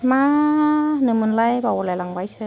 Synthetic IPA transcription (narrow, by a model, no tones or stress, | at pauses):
ma | nɯmɯnlajbawlalaŋbajsɯ